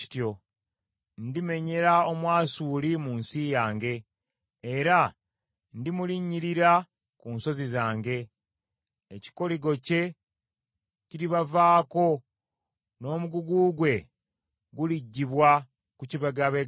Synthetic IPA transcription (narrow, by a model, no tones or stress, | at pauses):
i̥tjo̞ | ndime̞ɲe̞ɾao̞mwaːsuːlimuːnsijaːŋɡe̞ː | ɾa | ndimuliɲːiɾiɾa | kunso̞zizaːŋɡe̞ | ci̥ko̞liɡo̞ce̞ | ciɾiβavaːko̞ | no̞ːmuɡuɡuːɡwe̞ | ɡuliɟːiβwa | kuciβaɡaβe